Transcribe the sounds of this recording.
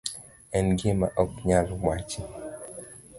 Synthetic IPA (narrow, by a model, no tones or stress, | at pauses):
ɛnɡɪmaʔɔkɲalmwat͡ʃɪ